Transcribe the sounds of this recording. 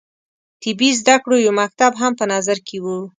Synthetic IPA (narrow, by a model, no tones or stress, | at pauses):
t̪ɪbizd̪akɽojomak̚t̪abɦampənɑzaɾkʰewu